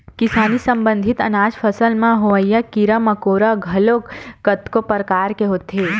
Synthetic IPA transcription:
kɪsaːnisɐ̃mbə̃nd̪ʱɪt̪ɐ̰naːd͡ʒpʰɐsəlmãɦoʋəjakiɾəmɐkoːɾaɡʱɐlokət̪kopəɾkaːɾkeɦoːt̪ɦeː

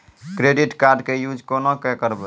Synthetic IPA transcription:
kɾeɖiʈkaɾɖkejud͡ʒʱkonokɛkəɾbə

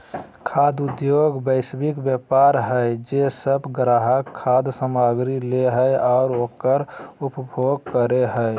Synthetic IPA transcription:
kʰad̪ʊd̪joɡbəɪsbikbjəpaɾɦəjd͡ʒesəbɡɾaɦəkʰːad̪səmaɡɾileɦəjɔʊɾokəɾupbʱoɡ̚kəɾeɦəj

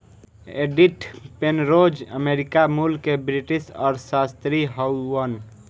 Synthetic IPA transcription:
ḛɖiʈpenɾod͡ʒəmeɾikamulkebɾiʈisɔːɾsast̪ɾiɦəən

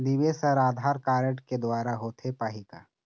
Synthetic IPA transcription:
d̪iʋesɐɾaːd̪ʱaːɾkaːɾəʈked̪waːɾaɦoːt̪ʰepaːɦikaː

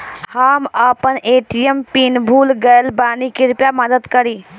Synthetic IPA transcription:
həməpənʔeʈijəmpinbʱulɡəjlbanikiɾpjaməd̪əd̪kəɾi

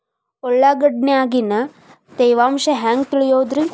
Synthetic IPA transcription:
ɔɭːaːɡɐɖneaːɡinɐ | t̪ejʋaːmʃɐɦaːŋɡ̚t̪iɭijoːd̪ɾin

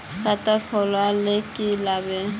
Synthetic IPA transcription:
kʼatʼakʰɔlwalɪkʼɪlabɛ

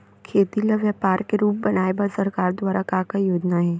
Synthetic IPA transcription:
kʰeːt̪ilɐʋjəpaːɾkeɾuːp̚bɐnaːebɐɾsɐɾkaːɾd̪waːɾakaːkajoːd͡ʒnaɦɛː

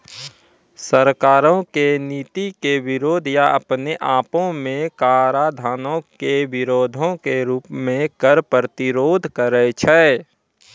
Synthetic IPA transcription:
səɾkaːɾõkeniːt̪ikeʋɪɾoːd̪ʱjaʔə̰pneʔaːpõmẽkaːɾad̪ʱaːnõkeʋɪɾoːd̪ʱõkeɾuːpmẽkəɾpət̪ɪɾoːd̪ʱkəɾət͡ʃʰɛː

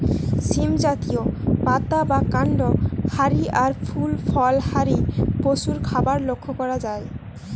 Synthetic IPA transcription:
simd͡ʑat̪iopat̪abakaɳɖohaɾiaɾfʰulfɔlhaɾipoʃuɾkʰabaɾlokʰːokɔɾad͡ʑae

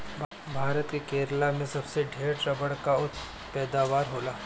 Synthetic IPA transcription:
bʱaːɾət̪kekeːɾlamẽsɐbseɖʱeːɾʈɾɐbəɽkaʊt̪ʰ | pɛːd̪aːʋaːɾɦoːlaː

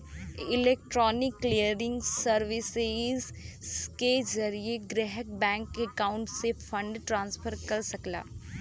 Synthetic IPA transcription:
ɪleːk̚ʈɾɔːnɪkːlijəɾɪ̃ŋɡsəɾʋɪsez | kezɐɾieɡɾɛɦək̚bɛ̃ːŋkekaːʊ̃ɳʈsefʰə̃ɳɖʈɾãːnspʰəɾkɐɾsɐkla̰ː

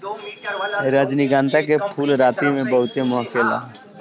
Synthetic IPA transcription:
ɾad͡ʒnɪɡãːnt̪akepʰuːlɾaːt̪imẽbəɦʊt̪emʊɦkela̰ː

